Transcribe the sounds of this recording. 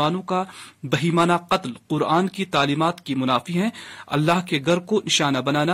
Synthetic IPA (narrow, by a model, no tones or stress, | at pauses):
aːnõkabɐɦiːmaːnaqɐt̪lqʊɾaːnkit̪aːliːmaːt̪kimʊnaːfiɦɛ̃ɐ̰lːaːɦkeɡɐɾkonɪʃaːnabɐnaːna